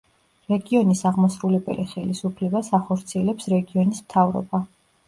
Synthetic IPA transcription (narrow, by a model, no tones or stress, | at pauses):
ɾɛɡiɔnisaʁmɔsɾulɛbɛ̰liχɛlisupʰlɛbasaχɔɾt̪sʰiɛlɛpsɾɛɡiɔnismt̪ʰavɾɔ̰ba